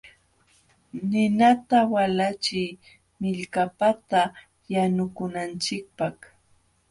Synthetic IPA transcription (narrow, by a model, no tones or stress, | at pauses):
nɪnat̪awalat͡ʃɪj | mɪʎkapat̪a | janʊkʊnant͡ʃɪk̚pak